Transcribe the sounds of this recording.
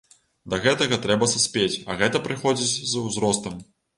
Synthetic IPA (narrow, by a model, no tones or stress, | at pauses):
d̪ɐɣɛt̪ɐɣɐt̪ɾɛbɐsɐsʲpʲet͡sʲɐɣɛt̪ɐpɾɨxɔd͡zʲit͡sʲzɐwzɾɔst̪ɐm